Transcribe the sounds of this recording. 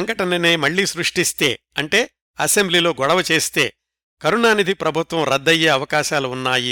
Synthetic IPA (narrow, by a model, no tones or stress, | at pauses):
ɐŋkɐʈɐnɐneːmɐɭːisɾuʂʈist̪e̞ː | ɐɳʈe̞ː | ɐsembliːlo̞ːɡɔɽɐʋɐt͡ʃe̞ːst̪e̞̰ː | kɐɾunaːnid̪ʱipɾɐbʱut̪ʋɐmɾɐd̪ːɐjːeːɐʋɐkaːʃaːluːnːaːji